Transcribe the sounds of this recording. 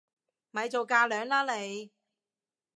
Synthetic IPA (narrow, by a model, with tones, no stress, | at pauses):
mɐ˨˧jt͡so˨wkaː˧lœː˨˥ŋlaː˥le˨˧j